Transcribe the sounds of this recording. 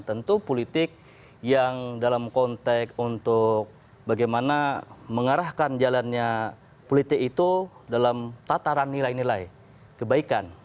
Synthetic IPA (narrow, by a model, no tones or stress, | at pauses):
t̪ənt̪upolit̪ɪk̚ | jaŋdalamkɔnt̪ɛkunt̪ʊk̚ | baɡajmanaməŋaɾahkand͡ʒalanɲa | polit̪ɪkit̪udalamt̪at̪aɾanːilajnilaj | kəbaikan